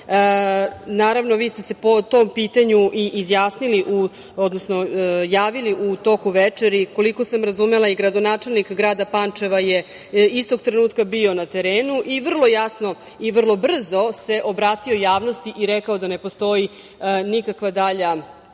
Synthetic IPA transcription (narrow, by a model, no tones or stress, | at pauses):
ə | naːɾaʋno̞ʋiːst̪ese̞po̞t̪o̞mpiːt̪aɲuʔiʔːzjaːsniliʔu | od̪nosnojaːʋiliʔut̪o̞kuʋet͡ʂeɾiko̞liko̞samɾazumelˠaiɡɾad̪o̞naːt͡ʂe̞lnikɡɾaːd̪apant͡ʂe̞ʋaje | ist̪o̞ɡ̚t̪ɾe̞nuːt̪kabio̞nat̪e̞ɾeːnuʔiʋr̩lˠo̞jasno̞ | iʋr̩lˠo̞br̩zo̞se̞ʔobɾaːt̪io̞jaːʋno̞st̪iʔiɾekaod̪ane̞post̪o̞i | nikakʋad̪aʎa